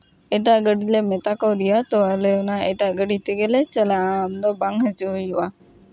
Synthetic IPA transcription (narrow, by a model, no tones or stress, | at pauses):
ɛʈ̬aʔɡəɖilemɛt̪akɔwd̪ijat̪ɔwaleɔnaɛʈaʔɡəɖit̪ɛɡɛlɛt͡ʃəlaamd̪ɔbaŋɦəd͡ʒuɦujuʔa